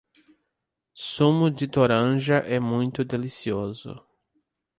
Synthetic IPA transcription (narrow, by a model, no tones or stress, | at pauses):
sũmʊd͡ʒɪt̪oɾɐ̃ʒɐʔɛmũj̃t̪ʊd̪elisiozʊ̰